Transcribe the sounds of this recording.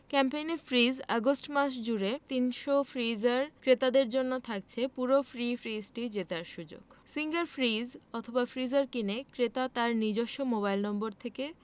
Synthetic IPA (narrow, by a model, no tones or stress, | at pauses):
kɛmpejnefɾizaɡosʈmaʃd͡ʑuɾet̪inʃofɾizaɾkɾet̪ad̪eɾd͡ʑonːot̪ʰak̚t͡ɕʰepuɾofɾifɾizʈid͡ʑet̪aɾʃud͡ʑo̰ɡ̥siŋɡaɾfɾizɔt̪ʰobafɾizaɾkinekɾet̪at̪aɾnid͡ʑoʃːomobajlnɔmboɾt̪ʰeke